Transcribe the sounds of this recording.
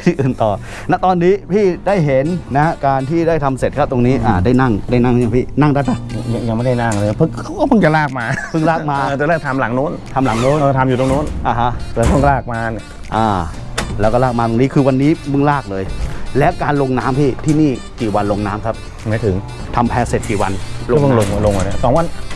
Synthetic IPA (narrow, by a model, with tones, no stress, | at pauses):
pʰiː˥˩ʔɯː˨˩nt̪ɔː˨˩ | na˦˥ʔt̪ɔː˧nːiː˦˥pʰiː˥˩daː˥˩jɦe˨˦nːa˦˥a˦˥kaː˧nt̪ʰiː˥˩daː˥˩jt̪ʰa˧mse˨t̪̚kʰa˦˥p̚t̪o˧ŋniː˦˥ʔaː˨˩daː˥˩jna˥˩ŋdaː˥˩jna˥˩ŋ˦ɲa˧˩pʰiː˥˩na˥˩ŋdaː˦˥˩t̪ːa˧˩˧ɲa˧ŋja˧ŋma˥˩da˥˩jna˥˩ŋlɤː˧jpʰɯ˦˥˩ŋʰa˦˥wkɔː˥˩pʰɯ˥˩ŋt͡ɕa˨˩laː˥˩k̚maː˧pʰɯ˥˩ŋlaː˥˩k̚maː˧t̪lɛː˥˩t̪ʰa˧mla˩˦ŋnu˦˥˨nt̪ʰa˧mla˨˩˦ŋnoː˦˥˨nʔɤː˧˩t̪ʰa˧mjuː˨˩t̪o˧ŋnu˦˥˨nʔa˨˧˩ɦa˦˥ʔːp̪ʰɔ˥˩ŋ˥laː˥˩k̚maː˧n˨ | ʔaː˧˩ | lɛː˦˥wkɔ˥˩laː˥˩k̚maː˧t̪o˧niː˦˥kʰɯː˧wa˧nːiː˦˥mɯ˥˩ŋlaː˥˩k̚lɤː˧jlɛ˦˥wkaː˧nlo˧ŋnaː˦˥mpʰiː˥˩t̪ʰiː˥˩niː˥˩kiː˨˩wa˧nlo˧ŋnaː˦˥mkʰa˦˥p̚ | maː˨˦t̪ʰɯ˩˦ŋ | t̪ʰa˧mpʰɛː˧se˨˩t̪̚kiː˨˩wa˧nlo˧˥˩pɯ˥˧˩lo˧ŋ˧lo˧ŋa˧a˧˩kʰa˦˩sɔː˨˦ŋwa˧n